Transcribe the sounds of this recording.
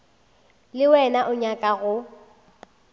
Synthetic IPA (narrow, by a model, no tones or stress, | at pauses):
lɪwɛnaʔʊɲakʼaɣʊ